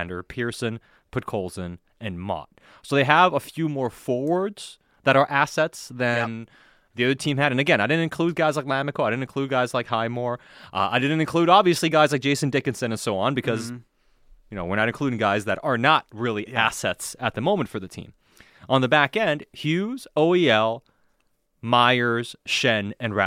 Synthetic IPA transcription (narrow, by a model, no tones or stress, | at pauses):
ndə˞pʰɪɹsɨ̃n | pʰʊt̚kʰoʊlˠzɨ̃n | ɨ̃nmɑ̰t̚ | soʊðeɪəvəfjʉmɔɹfɔɹwə˞dz̥ | ðəɾə˞ʔæsɛtsðɨ̃n | ðiʌðə˞tʰĩmɨɾɨ̃nɨɡɛ̃ñaɪdɪd̩ⁿtɨ̃nkʰl̥ʉd̚ɡaɪzlaɪk̚mæmɨkolˠaɾɪdⁿn̩tɨnkʰl̥ʉd̚ɡaɪzlaɪkhaɪmɔɹʔʌ̰aɪdɪdⁿn̩tɨ̃n̩kʰl̥uɾɑbviɨsliɡaɪzlaɪ̥d͡ʒeɪsɨ̃n̩dɪkɨ̃nsɨ̃nɨ̃nsoʊə̃nbɨkʰʌz | jɨnoʊwəɹnəɾɨ̃n̩kʰl̥uɾɪ̃ŋɡaɪzðɨɾə˞nət̚ɹɪlˠiæsɛtsɨt̪̚ðɨmõʊ̃mɨ̃ntfə˞ðɨtʰḭ̃m | ʔə̃nðəbækɛ̃nd̥hjʉz̥oʊiɛlˠ | maɪə˞z̥ʃɛ̃nɨ̃nɹæ̰